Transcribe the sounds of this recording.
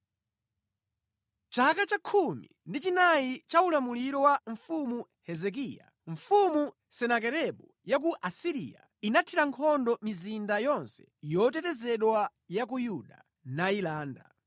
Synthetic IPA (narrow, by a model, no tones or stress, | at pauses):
t͡ʃakat͡ʃakʰumḭndit͡ʃinait͡ʃaulamuliɾɔwaɱfumu | hɛzɛk̬ija̰ | ɱ̩fumu | sɛnak̬ɛɾɛɓu | jak̬uʔasiɾḭa̰ | inatʰiɾaŋkʰɔndɔmizindajɔnsɛ̥jɔtɛtɛzɛɗwa | jakujuɗa | nailaːnda̰